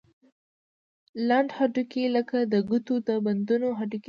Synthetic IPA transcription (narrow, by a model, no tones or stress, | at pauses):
laɳɖhaʈukeləkad̪əɡut̪ud̪əband̪unoɦaʈuk